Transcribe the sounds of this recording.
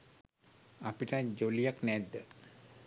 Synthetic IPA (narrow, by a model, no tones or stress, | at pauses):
apiʈad͡ʑolijaknɛd̪ːə